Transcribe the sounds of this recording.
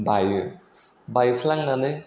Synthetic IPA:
bajɯ | bajkʰilaŋnanɯ

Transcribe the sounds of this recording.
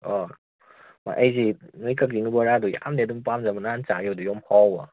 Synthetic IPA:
ɔ | ma̰ʔajzinɯjkak̚ziŋɯbɔɾaduja̰mdedumpamzamanant͡ʃaiɔdujɔmhawa

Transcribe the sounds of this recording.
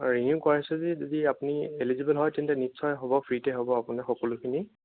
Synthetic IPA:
ɹinjukɔɹasɛzizɔdiapʊnielizibɛlɦɔjtintɛnitsɔjɦɔbɔpʰɹitɛɦɔbɔapʊnaxɔkɔlʊkʰini

